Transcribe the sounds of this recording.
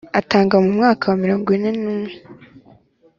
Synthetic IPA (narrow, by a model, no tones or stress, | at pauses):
ataːŋɡamumŋaːkawamiɾoːŋɡine̞nuːmŋe